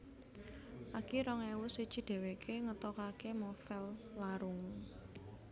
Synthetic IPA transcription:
ʔakiɾɔŋewusi̥t͡ʃi̤d̪̥ɛ̤wekʰeŋət̪ɔkakemɔfɛlːaɾʊŋ

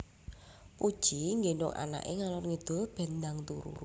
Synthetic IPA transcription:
pud̥ʒ̥iŋɡenɔ̰ŋʔa̰na̰ʔeŋalɔnŋid̪̥o̤b̥ɛ̤nd̪aŋt̪uɾṵɾ

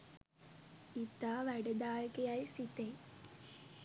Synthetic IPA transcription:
it̪aːʋæɖəd̪aːjəkejajsit̪e

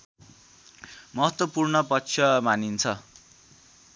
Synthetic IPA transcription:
mʌɦʌt̪wʌpurnʌpʌkt͡sʰjʌmanint͡sʰʌ

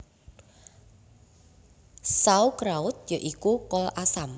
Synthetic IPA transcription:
saukɾaʊt̪̚joʔikukɔlʔasam

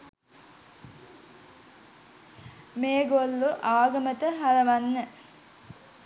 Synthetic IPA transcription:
meːɡolːuʔaːɡəmət̪əɦaɾɐʋanːə

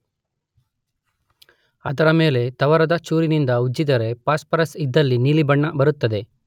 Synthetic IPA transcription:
ɐ̰d̪ɐɾɐme̞ːle̞t̪ɐʋɐɾɐd̪ɐt͡ʃuːɾinind̪ɐud͡ʒːid̪ɐɾe̞paːspɐɾɐsid̪ːɐlːiniːlibɐɳːɐbɐɾut̪ːɐd̪e̞

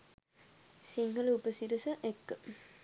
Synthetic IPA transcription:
siŋɡəlupəsiɾəsəʔekːə

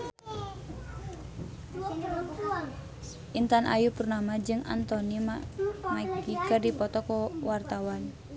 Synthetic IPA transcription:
ʔint̪anʔa̰jupurnamad͡ʒɨŋa̰nt̪ɔnimamakikərdipɔt̪ɔkɔwart̪awan

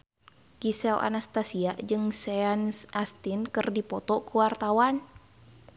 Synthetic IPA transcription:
kisɛla̰nast̪asiaʔd͡ʒɨŋsɛansʔast̪inkɨrdipɔt̪ɔkuwart̪awan

